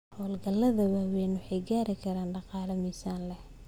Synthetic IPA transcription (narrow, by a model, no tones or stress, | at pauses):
hɔːlɡɐlːɐðɐwaːwɛnwʊħɑjɡaːɾɪkʰɐɾaːnɖɑqɑːlɐmɛjsaːnlɛh